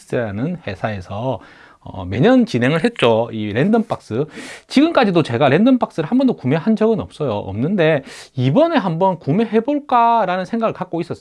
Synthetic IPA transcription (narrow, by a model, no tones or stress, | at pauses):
s͈ɯɾanɯnhe̞sʰae̞sʰʌ | ʌ̰me̞̰ɲʌnt͡ɕinɦe̞ŋɯɭɦet̚t͡ɕ͈oiɾe̞ndʌnp͈ʰak̚s͈ɯt͡ɕiɡɯmk͈ad͡ʑidot͡ɕe̞ɡaɾe̞ndʌnp͈ʰak̚s͈ɯɾɯɭhambʌndokume̞ɦand͡ʑʌɡɯnʌp̚s͈ʌjo̰ʔʌ̰mnɯnde̞ibʌne̞ɦambʌnkume̞ɦe̞boɭk͈aɾanɯnsʰe̞ŋɡaɡɯɭkak͈̚ois͈ʌs͈